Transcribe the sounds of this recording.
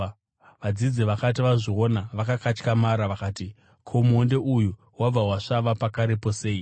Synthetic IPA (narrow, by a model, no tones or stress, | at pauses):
ʋad͡zid͡ziʋakatiʋaʐionaʋakakat͡ʃkamaɾaʋakaːti | kʰo̞monde̞ʔuju | wab͡vawaʂaʋapakaɾipo̞se̞ːi